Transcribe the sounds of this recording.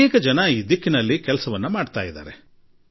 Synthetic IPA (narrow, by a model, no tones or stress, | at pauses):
eːkɐd͡ʒɐnɐiːd̪ikːinɐlːikɛlɐsɐʋɐnːumaːɖt̪a̰ːjid̪a̰ːɾe